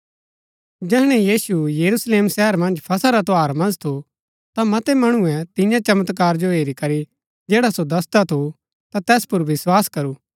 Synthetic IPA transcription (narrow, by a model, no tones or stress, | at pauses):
d͡ʒɛɦɽ̃ɛjiːsujɐɾusleːmsɛɦəɾmɐ̃nd͡ʒpʰɐsaɾat̪oaːɾmɐ̃nd͡ʒt̪ʰo | t̪amɐt̪ɛmɐɽ̃uɛ̃t̪ɪ̃jãt͡ʃɐmət̪kaːɾd͡ʒoɦeːɾikɐɾi | d͡ʒeːɽasod̪ɐst̪at̪ʰu | t̪at̪ɛːspʊɾʋɪswaːskɐɾuː